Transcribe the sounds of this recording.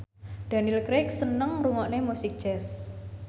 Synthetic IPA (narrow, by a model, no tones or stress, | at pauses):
d̪̥a̤nilkɾek̚sənəŋruŋɔʔnemusɪk̚ʒ̥ɛs